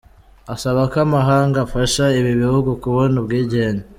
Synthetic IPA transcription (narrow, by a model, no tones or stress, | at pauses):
asaβakoamaɦaːŋɡafaʃaiβiβihuɡukuβonubɡiːɟe̞ːɲe